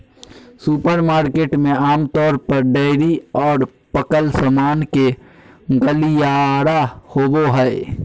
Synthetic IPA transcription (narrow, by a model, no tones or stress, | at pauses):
supəɾmaːɾkeːʈmẽaːmt̪ɔːɾpəɾɖɛɪɾiɔːɾpəkəlsəmaːnke | ɡəlijaːɾahoːboɦɛː